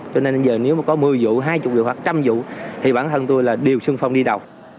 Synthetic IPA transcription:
t͡ɕɔ˧ne˧nzəː˨˩ne˨˦wmaː˨˩kɔ˨˦mɨ˨˩əjzṵ˧˨ɦaː˧jt͡ɕʊ˨˩k͡p̚zə̰˨˩waː˨˩k̚t͡ɕa˧mzṵ˧˨t̪ʰi˨˩ɓaː˧˩nt̪ʰə˧˩nt̪u˧jlaː˨˩ɗi˨˩əwsɨ˧ŋfa˧wŋ͡mɗi˧ɗa˨˩w

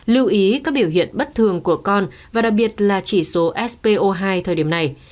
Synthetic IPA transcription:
lɨ˧wʔi˨˦kaː˦˥k̚ɓi˧˩əwɦḭ˧˨ənɓə˦˥t̚t̪ʰɨ˨˩əŋku˧˩əkɔ˧n | vaː˨˩ɗa˨˩k̚ɓi˨˩ət̚laː˨˩t͡ɕi˧˩so˨˦ʔɛ˦˥spe˧ʔo˧ɦaː˧jt̪ʰəː˨˩jɗi˧˩əmna˨˩j

